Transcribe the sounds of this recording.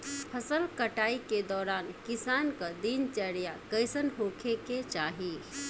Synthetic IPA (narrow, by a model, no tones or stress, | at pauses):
pʰəsəlkəʈaːiked̪ɔːɾaːnkisaːnkə̃d̪int͡ʃəɽjakəɪsənɦokʰeket͡ʃaɦi